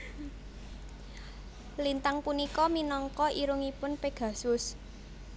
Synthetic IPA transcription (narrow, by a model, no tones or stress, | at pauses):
lint̪aŋpunikɔminɔŋkɔʔiɾuŋipʊnpeɡ̥ä̤sʊs